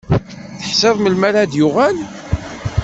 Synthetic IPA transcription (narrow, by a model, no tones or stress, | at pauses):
θəħsæðməlmæɾad̪jʊʁæl